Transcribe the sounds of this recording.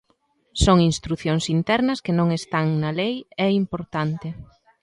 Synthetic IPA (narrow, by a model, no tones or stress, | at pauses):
soŋinst̪ɾuθjoŋsint̪ɛɾnɐskenõŋest̪aŋnɐlejɛimpoɾt̪ant̪ɪ